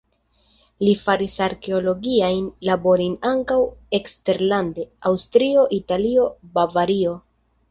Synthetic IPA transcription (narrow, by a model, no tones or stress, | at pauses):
lifaɾisaɾke̞o̞lo̞ɡiajnlabo̞ɾinaŋkawe̞kste̞ɾlande̞awstɾio̞ʔitalio̞bavaɾio̞